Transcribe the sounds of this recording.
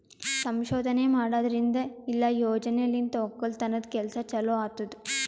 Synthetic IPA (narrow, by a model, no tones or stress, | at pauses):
sɐmʃɔːd̪ʱɐne̞ːmaːɽaːd̪ɐɾind̪ɐilːɐjoːd͡ʒɐnɛjɐlːint̪oːkːɐlt̪ɐnːɐd̪kɛlɐsɐt͡ʃɐloaːt̪ːɐd̪u